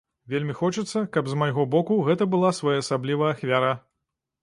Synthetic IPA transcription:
vʲelʲmʲixɔt͡ʂɨt̪sːɐkɐbzmajɣɔbɔkuɣɛt̪ɐbɨlˠasvajaɐsablʲivɐɐxvʲaɾa

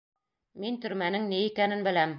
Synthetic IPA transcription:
mint̪ɵ̆ɾmænɘŋniikænɘnbɘ̆læm

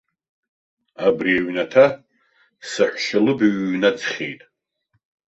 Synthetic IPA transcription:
abriaɥnatʰa | saħʷʼʃalɨbaɥːnad͡zχʲejtʼ

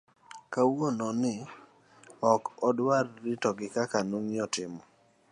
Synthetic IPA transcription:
kawonɔnɪ | ɔkɔdwarːitɔɡɪkakanuŋɪɔtɪmɔ

